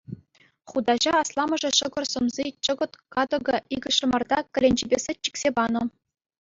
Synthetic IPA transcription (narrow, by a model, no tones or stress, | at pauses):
χud̪ɑʑɑɑslˠɑmɤ̆ʐɤ̆ɕɤ̆ɡɤ̆rsɤ̆mzit͡ɕɤ̆ɡɤ̆t̪kɑd̪ŏɡɤ̆iɡɤ̆ʂɤ̆mɑrd̪ɑkʲɘ̆lʲenʲd͡ʑebʲesɘ̆t̚ʲt͡ɕːi̥kʲsʲebɑnɤ̆